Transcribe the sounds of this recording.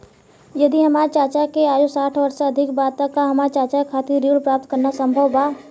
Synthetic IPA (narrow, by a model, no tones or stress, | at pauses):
jɐd̪iɦɐmaːt͡ʃaːt͡ʃakeaːjosaːʈʰʋɐɾsaɐd̪ʱɪkbaːt̪ãkːaɦɐmat͡ʃaːt͡ʃakʰaːt̪iɾiːɽpɾaːp̚t̪̚kəɾnasə̃mbʱəwbaː